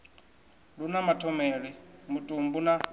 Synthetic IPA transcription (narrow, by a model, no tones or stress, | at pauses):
ɺunamatʰɔmɛːɺɛmutʼumbuna